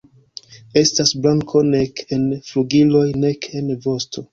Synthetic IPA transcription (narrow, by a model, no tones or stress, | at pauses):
e̞stasblaŋkʰo̞ne̞ke̞nfluɡilo̞jne̞kʰe̞nvo̞stʰo̞